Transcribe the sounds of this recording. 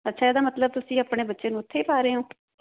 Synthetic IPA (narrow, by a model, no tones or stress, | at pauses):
ətːʃʰaːeːd̪aːmət̪ləb̚t̪ʊsĩːaːpɽeːbətːʃeːnũːʊt̪ʰːeːpaːɾeːɦõː